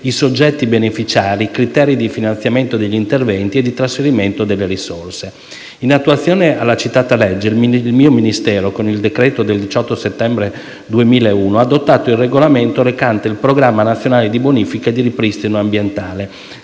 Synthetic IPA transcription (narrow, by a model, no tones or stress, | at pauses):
isod͡ʒːɛt̪ːibenefit͡ʃaːɾikɾit̪ɛːɾid̪ifinant̪sjament̪od̪eʎːint̪ervɛnt̪ied̪it̪ɾasfeɾiment̪od̪elːeɾisorse | inat̪ːuwat̪sːjoːnealːat͡ʃit̪ːaːt̪alɛd͡ʒːeilmlmiːominist̪ɛːɾokonild̪ekɾɛːt̪od̪eld̪it͡ʃɔt̪ːoset̪ːɛmbɾe | d̪uemiːlaeuːnoad̪ot̪ːaːt̪oilreɡolament̪oɾekant̪eilpɾoɡɾamːanat̪sːjonaːled̪iboniːfikaed̪iɾipɾist̪inoambjent̪aːle